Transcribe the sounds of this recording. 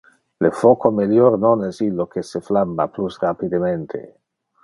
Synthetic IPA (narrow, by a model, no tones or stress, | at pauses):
lefokomeljornonɛsilːokeseflamːaplusrapid̪ement̪ʰḛ